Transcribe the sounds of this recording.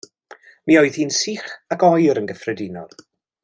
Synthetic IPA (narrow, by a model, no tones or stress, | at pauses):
miːɔɨðhiːnsiːχakɔjɾənɡəfrɛdɪnɔ̰lˠ